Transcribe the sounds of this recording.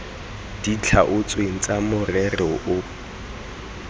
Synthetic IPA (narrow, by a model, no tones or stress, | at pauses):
d̥it͡ɬʰaʔʊt͡sʼweŋ̩t͡sʼamʊrɛrɪʔʊ